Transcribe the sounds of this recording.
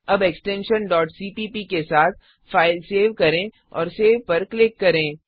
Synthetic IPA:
ɐbɛksʈɛ̃nʃənɖɔːʈsiːpiːpikesaːt̪̚ʰ | faːɪlseːʋkɐɾẽ | ɔ̰ːɾseːʋpɐɾklɪkːɐɾẽː

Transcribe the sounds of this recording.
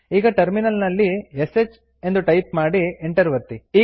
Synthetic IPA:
iːɡɐʈɐɾminɐlnɐlːieset͡ʃ | e̞nd̪uʈɐjpmaːɽieɳʈɐɾʋɐɾt̪iiː

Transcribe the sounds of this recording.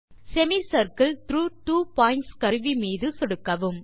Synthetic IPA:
sɛmisɐɾkɐlt̪ɾuːʈuːpaːjɪɳʈskɐɾɯʋimiːðɯsɔɽɯkːɐʋɯm

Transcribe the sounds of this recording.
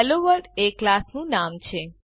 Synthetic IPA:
loʋəɾɖeklasnũnamt͡ʃʰe

